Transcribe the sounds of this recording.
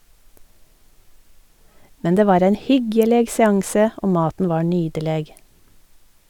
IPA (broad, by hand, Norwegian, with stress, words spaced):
ˈmɛn ˈdeː ˈʋɑːɾ ˈæɪn ˈhʏɡjɛleːɡ sɛˈɑŋsə ˈʔoː ˈmɑːtn̩ ˈʋɑːɾ ˈnyːɟəleːɡ